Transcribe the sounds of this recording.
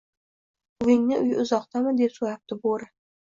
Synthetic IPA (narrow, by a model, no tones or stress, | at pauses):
ʊɪŋnɪʔʊjɪʊzɒqt̪ʰamɪd̪e̞psojjap̚t̪ʰɪboɾɪ